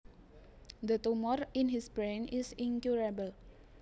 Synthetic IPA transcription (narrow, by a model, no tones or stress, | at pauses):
d̪ət̪umɔrinɦisbɾɛnɪsiŋkjuɾabəl